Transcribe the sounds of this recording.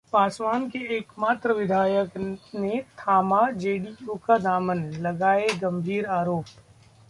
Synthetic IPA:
paːswaːnkeeːkmaːt̪ɾəʋɪd̪ʱaːjəknet̪ʰaːmad͡ʒeːɖiuːkad̪aːmənlɐɡaːeɡɐ̃mbʱiːɾaːɾoːp

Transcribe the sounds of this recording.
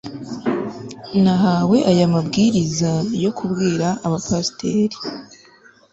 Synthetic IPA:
naɦaːwe̞ʔajamabɡiːɾizajo̞kʰubɡiːɾaʔːβapastʰe̞ːɾi

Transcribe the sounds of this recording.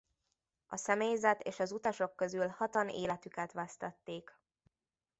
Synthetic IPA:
ɒsɛmeːjzɛt̪eːʃɒzut̪ɒʃo̞kːø̞zylhɒt̪ɒnḛːlɛt̪ykɛt̪ʋɛst̪ɒt̪ːeːk

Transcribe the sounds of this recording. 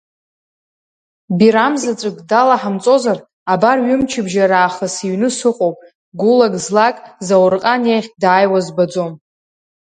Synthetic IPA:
biɾamzat͡sʷʼɨkʼdalaħamt͡sʼo̞zar | abarɥʏmt͡ʃʰɪbʒaɾaːχasiɥnɨsɨqʼowpʼ | ɡulaɡʼzlakʼzawrqʼanjejχʲdaːjwazbad͡zo̞m

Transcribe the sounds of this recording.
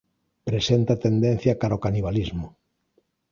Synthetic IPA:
pɾesent̪at̪end̪ẽn̟θjakaɾaokaniβ̞alizmʊ

